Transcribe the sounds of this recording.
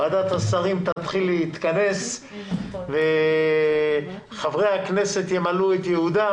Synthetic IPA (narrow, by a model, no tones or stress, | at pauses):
ad̪at̪hasaʁimt̪at̪χilːeit̪kane̞s | ve | χavʁejhakne̞se̞t̪jemaluet̪jehud̪a